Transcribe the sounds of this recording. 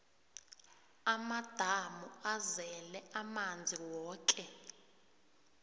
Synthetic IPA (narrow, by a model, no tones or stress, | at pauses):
amad̥ʱamuazɛlɛamand͡zʱiwɔːkʼɛ